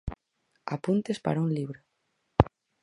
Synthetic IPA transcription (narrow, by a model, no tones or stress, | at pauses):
apunt̪espa̰ɾaunliβɾo